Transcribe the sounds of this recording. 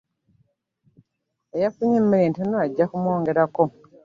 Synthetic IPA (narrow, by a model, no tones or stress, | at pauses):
ejafuɲemːiɾeːntunoaɟːakumwo̞ːŋɡe̞ɾako